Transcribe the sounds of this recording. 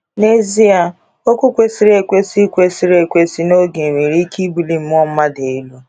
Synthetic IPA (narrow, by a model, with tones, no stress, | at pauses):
ne˦zi˦a˨ | o˦kʷu˦kʷe˦si˦ɾe˨kʷe˦si˦kʷe˦si˦ɾe˨kʷe˦si˦no˦ɡe˨me˨ɾi˦ki˦bi˨li˨m̩˦m˦ɔ˦m̩˦ma˦de˨˦lu˦